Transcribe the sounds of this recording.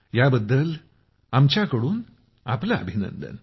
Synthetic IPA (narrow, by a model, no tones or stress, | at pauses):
jaːbɐd̪ːɐl | ɐmt͡ʃaːkɐɽuːn | ɐ̰plɐ̰ːbʱinɐ̰nd̪ɐ̰n